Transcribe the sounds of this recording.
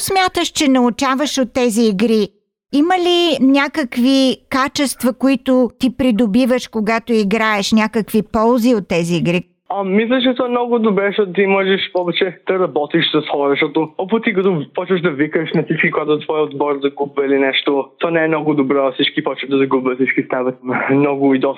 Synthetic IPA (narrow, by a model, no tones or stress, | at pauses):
smʲjat̪əʃt͡ʃɛnɐʊt͡ʃavəʃot̪ːɛziːɡɾi | iməlinʲakəkvikat͡ʃɛst̪vɐkʊit̪ʊt̪ipɾid̪obivəʃkoɡat̪oiɡɾaɛʃnʲakəkvipɔlˠziot̪ːɛziːɡɾi | ɐmislʲət͡ʃɛt̪ɔɛmnɔɡʊd̪obɾɛʃt̪ɔt̪ʊt̪imɔʒɛʃpɔbɛt͡ʃɛd̪̥ɐɾɐbɔt̪iʃsɐsxɔɾɛʃt̪ɔt̪oɔpʊt̪ikɐt̪ɔpɔt͡ʃvəʃd̪ɐvikəʃnɐsit͡ʃkikʊɡat̪ʊt̪vɔjod̪bɔɾzɐɡubvəilinɛʃt̪ot̪ɔnɛɛmnɔɡʊd̪obɾɔɐfsit͡ʃkipɔt͡ʃvəvd̪ɐzɐɡubvəsit͡ʃkist̪avət̪mnɔɡʊid̪ɔs